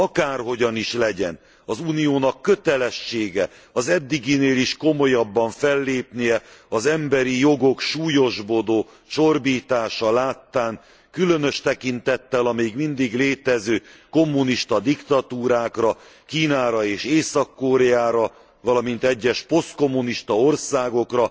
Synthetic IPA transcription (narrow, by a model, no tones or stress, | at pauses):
ɒkaːrɦo̞ɟɒniʃlɛɟɛn | ɒzuːnijoːnɒkːø̞t̪ɛlɛʃːeːɡɛ | ɒzɛd̪ːiɡineːliʃko̞mo̞jɒbːɒɱfɛlːeːpnijɛɒzɛmbɛɾijo̞ɡo̞kʃuːjo̞ʒbo̞d̪oː | t͡ʃo̞rbiːt̪aːʃɒlaːt̪ːaːŋ | kylø̞nøʃt̪ɛkint̪ɛt̪ːɛlɒmeːɡmind̪iɡleːt̪ɛzøːko̞mːuniʃt̪ɒd̪ikt̪ɒt̪uːɾaːkrɒ | kiːnaːɾɒeːʃeːsɒkːoɾɛjaːɾɒ | vɒlɒmint̪ɛɟːɛʃpo̞st̪ko̞mːuniʃt̪ɒo̞rsaːɡo̞krɒ